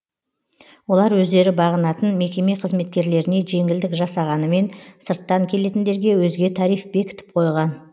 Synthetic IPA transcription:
wo̞lˠɑɾwɵzd̪e̞ɾɪbɑʁənɑt̪ənme̞kʲe̞meqʰəzme̞t̪̚kʲe̞ɾle̞ɾɪne̞ʒe̞ŋɪld̪ɪkʒɑsɑʁɑnəme̞nsəɾt̪ːɑŋkʲʰe̞le̞t̪ɪnd̪e̞ɾɡʲe̞wɵzɡʲe̞t̪ʰɑɾijfbe̞kʲɪ̥t̪ɪ̥p̚qʰo̞jʁɑn

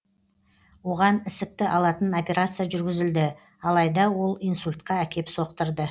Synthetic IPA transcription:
wo̞ʁɑnɪsɪk̚t̪ɪʔɑlˠɑt̪əno̞pʲe̞ɾat̪sɨjaʒʏɾɡʲɪzɪld̪ɪ | ɑlˠɑjd̪ɑwo̞lˠijnsulʲt̪̚qɑækʲe̞pso̞qt̪əɾd̪ə

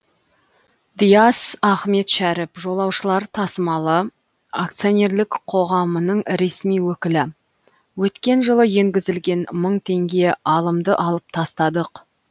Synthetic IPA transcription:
d̪ijasɑχme̞t̪ʃæɾɪpʒo̞lˠɑwʃəlˠɑɾt̪ʰɑsəmɑlˠə | akt̪sio̞nʲe̞ɾlɪkqʰo̞ʁɑmənəɴɾe̞smijwɵkʲɪlɪ | wɵt̪kʲe̞nʒəlˠəje̞ŋɡʲɪzɪlɡʲe̞nməɴt̪ʰe̞ŋɡʲe̞ɑlˠəmd̪əʔɑlˠəp̚t̪ʰɑst̪ɑd̪əq

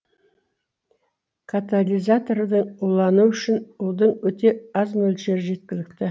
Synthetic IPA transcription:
kʰat̪alʲijzat̪o̞ɾd̪əɴulˠɑnuʏʃɪnʊlˠd̪əɴwɵt̪e̞ɑznɵlʃeɾɪʒe̞t̪̚kʲɪlɪk̚t̪ɪ

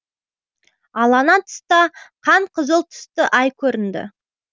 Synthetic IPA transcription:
ɑlˠɑnɑt̪ʰʏ̥st̪ɑqʰɑɴqʰəzəlˠt̪ʰʏ̥st̪əʔɑjkʲʰɵɾɪnd̪ɪ̰

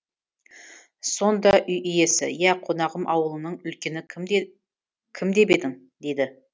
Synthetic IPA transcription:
so̞nd̪ɑʔʏjʔʏje̞sɪ̰jæqʰo̞nɑʁəmʔɑ̰wəlˠənəɴʏlkʲe̞nɪ | kʲʰɪmd̪e̞be̞d̪ɪŋ | d̪e̞d̪ɪ

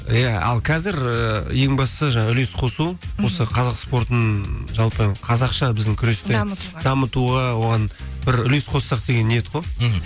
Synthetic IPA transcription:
jæɑ̰lˠqʰɑzɪɾəje̞ŋbɑsə̥səʒɑɴɑʏle̞sqʰo̞suwo̞səqʰɑzɑqspo̞ɾt̪ənʒɑlˠpəqʰɑzɑqʃɑbɪzd̪ɪŋkʲʰʏɾe̞st̪ed̪ɑmət̪uʁɑwo̞ʁɑnbɪɾʏle̞sqʰo̞ssɑq̚d̪e̞ɡʲe̞nːejet̪qojˠ

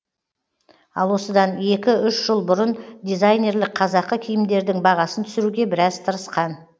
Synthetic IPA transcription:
ɑ̰lˠwo̞səd̪ɑne̞kʲɪʏʃʒ̥əlˠbʊɾənd̪ijzajnʲe̞ɾlɪk̚qʰɑzɑqːəkʲʰʏjɪmd̪e̞ɾd̪ɪŋbɑʁɑsənt̪ʰʏ̥sɪɾuɡʲe̞bɪɾɑzt̪ʰəɾəsqɑn

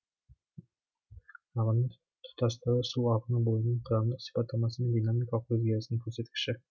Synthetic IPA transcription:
ɑʁənə | t̪ʰʊ̥t̪ʰɑst̪ɑɾəsuɑʁənəbolˠənəɴqʰɾɑnd̪əqsi̥fɑt̪ʰːɑmɑsənəŋd̪inamikɑlˠqʰwezʲijasənəŋkʲʰɵɾset̪kʲɪ̥ʃɪ

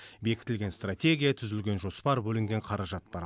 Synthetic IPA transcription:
be̞kʲɪ̥t̪ɪlɡʲe̞nst̪ratʲe̞ɡʲijat̪ʰʏzɪlɡʲe̞nʒo̞spɑɾbɵlɪŋɡʲe̞ɴqʰɑɾɑʒɑt̪̚b̥ɑɾ

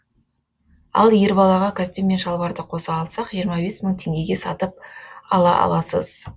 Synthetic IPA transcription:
ɑ̰lˠjeɾbɑlˠɑʁɑkʲʰast̪emːe̞nʃɑlˠβɑɾd̪əqʰo̞sɑːlˠsɑqʒijəɾmɑbe̞sməɴt̪ʰe̞ŋɡʲe̞ɡʲe̞sɑt̪əp̚ɑ̰lˠɑ̰ʔɑ̰lˠɑsə̰z̥

